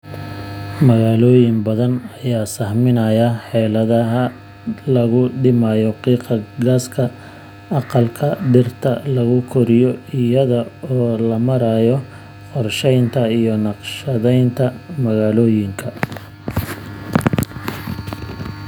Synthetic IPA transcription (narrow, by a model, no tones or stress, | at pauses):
mɐɣaːlɔːjɪŋbɐðɐnɐjaːsɐhmɪnɐjɐħɛːlɐðɐɦɐ | lɐɣʊɖɪmajɔqiːqɑɡaːskʰɐ | ɑqɑlkʰɐɖɪrt̪ʰɐlɐɣʊkʰɔɾɪjɔɪjɐðɐɔːlɐmɐɾaːjɔ | qɔrʃɛjnt̪ʰɐijɔnɑqʃɐðɛjnt̪ʰɐmɐɣaːlɔːjɪŋkʰɐ